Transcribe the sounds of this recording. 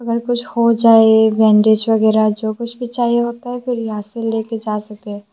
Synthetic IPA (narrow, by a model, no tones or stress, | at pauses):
ɐɡəɾkʊt͡ʃʰhod͡ʒaːeʋɛ̃ːɳɖeːd͡ʒʋɐɡɛːɾad͡ʒoːkʊt͡ʃʰbʱit͡ʃaːieɦoːt̪aɦɛfɪɾjɦaːsɪlːeːked͡ʒaːsɐk̪̚eː